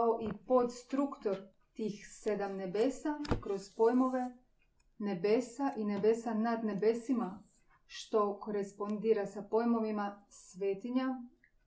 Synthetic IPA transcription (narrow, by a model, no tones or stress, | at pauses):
oʔipo̞d̪st̪ɾukt̪oɾ | t̪iːxse̞d̪amne̞beːsakɾo̞z̥pojmoʋe | ne̞be̞ːsaʔine̞be̞sanad̪ne̞be̞sima | ʃt̪o̞ko̞ɾespo̞nd̪iːɾasapo̞jmo̞ʋimasʋeːt̪iɲa